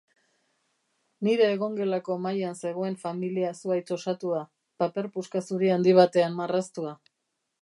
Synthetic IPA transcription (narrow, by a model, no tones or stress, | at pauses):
niɾe̞ːɣo̞ŋɡe̞lako̞majanse̞ɣ̞o̞e̞ɱfamiliasuajt͡ʃo̞sat̪ua | pape̞ɾpuskasuɾiand̪iβ̞at̪e̞anmarast̪ua